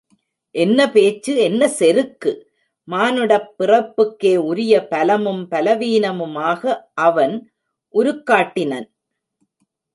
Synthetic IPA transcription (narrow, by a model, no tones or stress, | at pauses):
ʔɛnːɐpeːt͡ʃːɯɛnːɐsɛɾɯkːɯ | maːnɯɽɐpːɪrɐpːɯkːeːʊɾɪjɐpɐlɐmɯmpɐlɐʋiːnɐmɯmaːɣɐʔɐʋɐn | ʔʊɾɯkːaːʈːɪnɐn